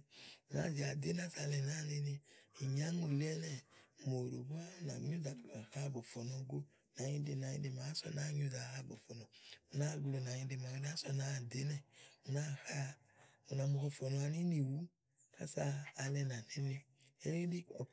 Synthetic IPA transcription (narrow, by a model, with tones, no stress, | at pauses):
na̰˨˦˨zi˨a˨de˦na˦sa˧˨lɛ˨na˦˨ni˧ni˧i˨ɲa˦ŋo˨lɛ˦nɛ˦˨mo˨ɾo˨bo˦a˦na̰˨ɲu˦za˨a˨xa˦˨bɔ˨fɔ˨nɔ˧ɡo˦ | na˨ɲi˦de˧˨na˨ɲḭ˦de˨ma˨˦sɔ̰˧˨na˦ɲu˦za˨ha˦˨bɔ̰˨fɔ˨nɔ˨u˨na˦˨ɡlo˨na˨ɲi˧de˧ma˨i˨˦n˦a˦sɔ˧na˨˦˨de˦nɛ˨u˨na˦ha˦ | u˨na˨mu˨hɔ˧fɔ˨nɔ˨˦a˧ni˦ni˨wu˦ | ka̰˦saː˦˧lɛ˧na˨ni˦ni˧ | e˦li˦di˦kɔ˨